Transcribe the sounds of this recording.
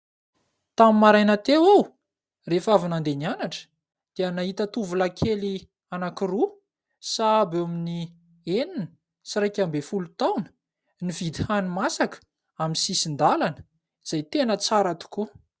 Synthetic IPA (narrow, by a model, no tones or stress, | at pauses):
t̪amimaɾajnat̪ewaw | refavinand̪enianaʈ͡ʂə̥ | d̪̥eənaɦit̪ət̪uvulakʰeli | anakiru | sabowamini | eninə | siɾajkʲambefulut̪awnə̥ | nivid̪ihanimasakə̥ | aminsisind̪alanə̥ | z̥ajt̪enət͡saɾat̪u̥ku